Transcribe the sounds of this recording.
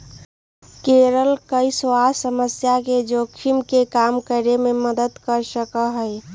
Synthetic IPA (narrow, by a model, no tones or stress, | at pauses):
keɾəlkəisoasəməsjaked͡ʒokʰimkekamkəɾememəd̪əd̪kəɾsəkəɦəɪ